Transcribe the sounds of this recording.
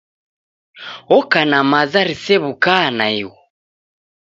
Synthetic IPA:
ɔkanamazaɾisɛβukanaiwɔ

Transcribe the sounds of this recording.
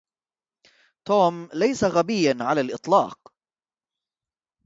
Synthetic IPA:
t̪uːmlajsaɣabɪjːanʕalalʔɨt̪ˤlɑ̰ːq

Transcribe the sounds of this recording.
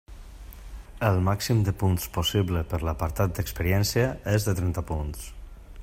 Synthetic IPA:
əlˠmaksimd̪əpunsposiβləpəɾləpəɾt̪at̪̚d̪əkspəɾiɛnsjəezðət̪ɾɛnt̪əpuns

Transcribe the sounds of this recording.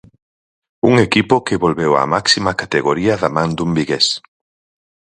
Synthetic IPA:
uŋekipʊkeβolβewa̰maksimakat̪eɣoɾiɐðamãnd̪umbiɣes

